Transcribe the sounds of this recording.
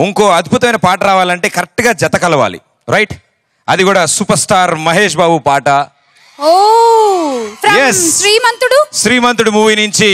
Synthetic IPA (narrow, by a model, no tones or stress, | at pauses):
uŋko̞ːɐd̪̚bʱut̪ɐmɐjnɐpaːʈɐɾaːʋaːlɐɳʈe̞ːkɐɾɛk̚ʈːuɡaːd͡ʒɐt̪ɐkɐlɐʋa̰ːlḭ | ɾɐjʈ | ɐd̪ikuːɽaːsupɐɾsʈaːɾmɐɦeːʂ̬baːbupaːʈɐ | oː | pʰɾɐjessɾiːmɐnt̪uɽuʃɾiːmɐnt̪ɾuɽumuːʋiniɲt͡ʃi